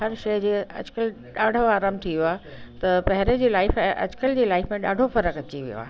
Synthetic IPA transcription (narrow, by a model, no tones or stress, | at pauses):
ɦɐɾʃɐjd͡ʑeːɐ̰d͡ʑkəl | ɗaːɖʱoaːɾaːmt̪ʰiʋjoaːɦ | t̪ɐpɐɦɪɾed͡ʑiːlaːɪfɛ̃ːʔɐ̰d͡ʑkəld͡ʑiːlaːɪfmẽɗa̰ːɖʱofɐɾəkɐt͡ɕiʋḭjo̰a̰ːɦ